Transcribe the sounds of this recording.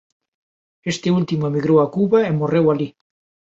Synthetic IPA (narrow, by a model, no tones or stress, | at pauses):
est̪ɪult̪imoemiɣɾowakuβaemorewali